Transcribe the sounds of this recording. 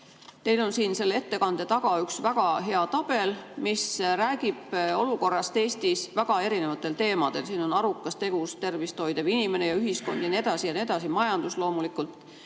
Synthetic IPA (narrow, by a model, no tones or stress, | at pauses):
t̪e̞jlo̞nsiːnse̞lːe̞t̪ːe̞kɑnd̪̥e̞t̪ɑɡ̥ɑyksvæɡ̥ɑɦe̞ɑt̪ɑb̥e̞lmisræːɡ̥ib̥o̞luko̞rːɑst̪e̞ːst̪isvæɡ̥ɑe̞ɾine̞vɑt̪ːˑe̞lt̪e̞ːmɑd̪̥e̞lsiːno̞nɑɾukˑːɑst̪e̞ɡ̥ust̪e̞rvist̪o̞jd̪̥evinime̞ne̞jɑyɦisko̞̰nd̪jɑnied̪ɑsijɑnie̞d̪ɑsimɑjɑnd̪̥uslo̞ːmulikˑult̪ːˑ